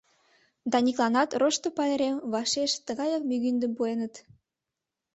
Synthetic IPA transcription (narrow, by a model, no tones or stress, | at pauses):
d̪ɑniklˠɑnɑt̪roʃt̪ŏpɑeɾemβɑʃeʃt̪ə̆ɣɑjɑk̚myɣynd̪ə̆mpuenə̆t̪